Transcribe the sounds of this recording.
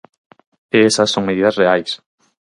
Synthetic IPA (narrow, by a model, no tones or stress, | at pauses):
eesɐsːoŋmeðiðɐsreajs